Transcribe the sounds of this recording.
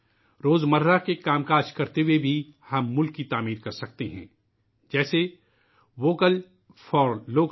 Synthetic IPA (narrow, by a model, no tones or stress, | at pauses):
ɾoːzmɐɾɾakekaːmkaːʃkɐɾt̪ewebʱihɐmːʊlkːit̪aːmiːɾkɐɾsɐk̚t̪eɦɛ̰̃ː | d͡ʒɛːse | ʋoːkəl | fʰɔːɾloːk